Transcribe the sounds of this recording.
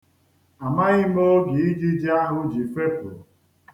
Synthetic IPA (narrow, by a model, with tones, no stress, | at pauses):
a˨ma˦ɣɪ˦mo˦ɡi˨i˦d͡ʒi˦d͡ʒa˦ɦʊ˦d͡ʒi˨fe˦pʊ̰˨